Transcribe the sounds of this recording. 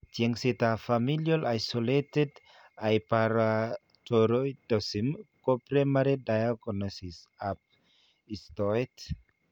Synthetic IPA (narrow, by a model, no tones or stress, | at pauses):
tieŋsit̪afamiljalajsoleted | ajpaɾa | toɾojdɔsimkopɾemaɾedajakɔnɔsis | ap̚ | ist̪ɔit